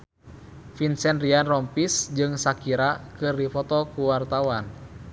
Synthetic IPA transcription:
finsɛnrianrɔmpisd͡ʒɨŋsakiɾakɨrdifɔt̪ɔkuwart̪awan

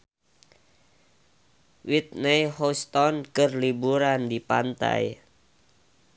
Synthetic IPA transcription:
wit̪̚nɛjhɔst̪ɔnkɨrlibuɾandipa̰nt̪a̰j

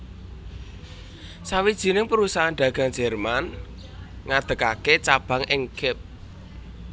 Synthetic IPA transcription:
sawid̥ʒ̥i̤nɪŋpəɾusaɦanɖ̥̪a̤ɡ̥a̤ŋdd͡ʒ̥ɛrman | ŋad̪̥ə̤kaket͡ʃab̥a̤ŋʔɪŋɡɪp̚

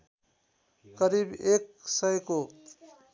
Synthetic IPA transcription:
kʌɾibeksʌjko

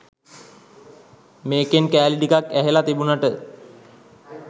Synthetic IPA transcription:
meːkenkæːliʈikakæɦelat̪ibunaʈə

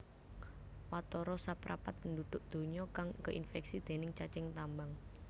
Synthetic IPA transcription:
wat̪ɔɾɔsapɾʔa̰pat̪̚pəndud̪̥ʊʔ̚d̪̥o̤ɲɔkaŋkəʔinfɛksid̪̥e̤nɪŋt͡ʃat͡ʃɪŋt̪ambaŋ

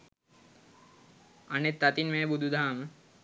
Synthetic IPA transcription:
ɐnet̪ːɐt̪inmeːbud̪ʱud̪ʱaːmə

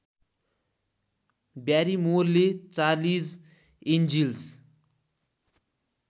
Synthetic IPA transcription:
bjaːɾimoɾlet͡salis | end͡ʒils

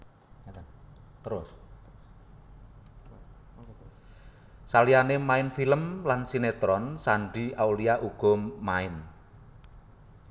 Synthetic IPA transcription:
t̪əɾʊs | salianemaɪnfiləmlansinet̪ɾɔnsaɳɖiʔawliaʔuɡ̥ɔ̤mːaɪn

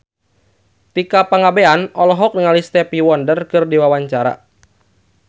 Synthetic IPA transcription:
t̪ikapaŋabeanɔlɔɦɔk̚nəŋalist̪ɛpiwɔndərkɨrdiwawaɲt͡ʃaɾa̰

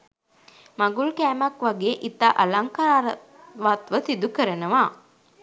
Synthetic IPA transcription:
maɡulkæːmɐkʋaɡeːʔit̪aʔɐlaŋkaːɾə | ʋat̪ʋəsid̪ukəɾənəʋaː

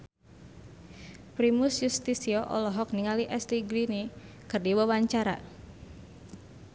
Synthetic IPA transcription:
pɾimʊsjust̪isiɔʔɔ̰lɔɦɔk̚niŋaliʔɛst̪iɡlini | kərdiwəwaɲt͡ʃaɾa̰

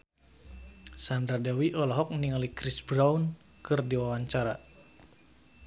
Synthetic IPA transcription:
sandɾadawiʔɔlɔɦɔk̚niŋalikɾisbɾaun | kɨrdiwawaɲt͡ʃaɾa

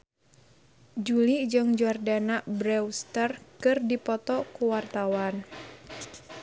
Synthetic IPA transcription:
d͡ʒulid͡ʒɨŋd͡ʒuardanaʔbɾɛwst̪ərkɨrdipɔt̪ɔkuwart̪awan

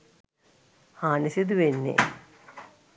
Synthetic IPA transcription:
haːnisid̪uʋenːḛ

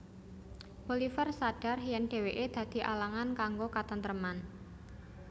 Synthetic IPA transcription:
b̥olifərsaɖ̥a̤rɦijanɖ̥e̤weʔed̪̥ä̤d̪̥i̤ʔalaŋankaŋɡokat̪ənt̪əɾəman

